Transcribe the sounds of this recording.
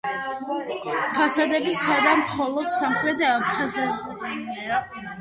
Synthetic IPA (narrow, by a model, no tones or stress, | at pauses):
pʰasad̪ɛbisad̪amχɔlˠɔd̪̥samχɾɛd̪apʰasazɛa